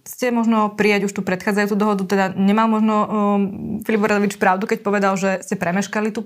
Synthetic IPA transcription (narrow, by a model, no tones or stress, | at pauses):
scɛmɔʒnɔpɾijaɟuʃt̪upɾɛt̪xaːd͡zajut͡sud̪ɔɦɔd̪ut̪ɛd̪aɲɛmalmɔʒnɔ | filibɔɾad̪ɔʋit͡ʃpɾaʊd̪ukɛcpɔʋɛd̪alʒɛscɛpɾɛmɛʃkalit̪u